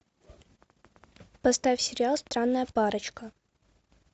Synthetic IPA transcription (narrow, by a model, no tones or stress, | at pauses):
pɐst̪avʲsʲɪɾʲɪalˠst̪ɾanːəjəpaɾət͡ɕkə